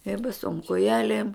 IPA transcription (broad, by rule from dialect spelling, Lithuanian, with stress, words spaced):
ɪ bɐˈsoːm koːˈjæːlʲeːm